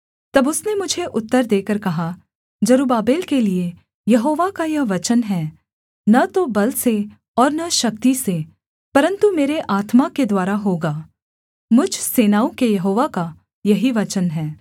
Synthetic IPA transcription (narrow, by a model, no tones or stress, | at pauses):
t̪ɐbʊsnemʊd͡ʒʱeʔʊt̪ːəɾd̪eːkəɾkɐɦa | d͡ʒɐɾuːbaːbeːlkelie | jɐɦoːʋakajɐɦʋɐt͡ʃənɦɛː | nɐt̪obɐlse | ɔːɾnɐʃɐk̚t̪ise | pɐɾə̃nt̪umeːɾeʔaːt̪maked̪waːɾaɦoːɡaː | mʊd͡ʒʱseːnaːũkejɐɦoːʋaka | jɐɦiʋɐt͡ʃənɦɛː